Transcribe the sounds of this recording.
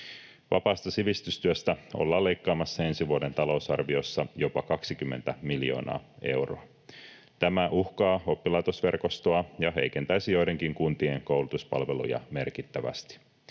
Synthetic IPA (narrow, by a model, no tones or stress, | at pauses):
ʋɑ̰pɑːst̪ɑsiʋist̪yst̪yøst̪æo̰lːɑːlːejkːɑːmɑsːɑe̞nsiʋuode̞nt̪ɑlo̞uwsɑrʋio̞sːɑjo̞pɑkɑksikymːe̞̰nt̪æmiljo̞̰ːnɑ̰ːe̞̰wro̰ɑ | t̪æmæʔuhkɑːo̞pːilɑjt̪osʋe̞rko̞st̪oɑjɑɦe̞̰jke̞nt̪æjsijo̞jde̞ŋkiŋkunt̪ieŋko̞wlut̪uspɑ̰lʋe̞lṵjɑ̰me̞rkit̪ːæʋæ̰st̪i̥